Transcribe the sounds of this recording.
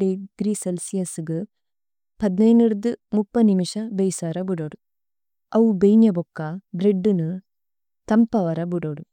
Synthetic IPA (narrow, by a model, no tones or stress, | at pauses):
ɽeɡ̥ɾiːselsijɐsɡɨ | pɐd̪nɐjneɾd̪ɨmupːɐnimiʂɐbejsɐːɾɐbuɽoːɽu | ɐʋubejnjɐbokːɐbɾeɖːɨnɨ | t̪ɐmpːɐʋɐɾɐbuɽoːɽu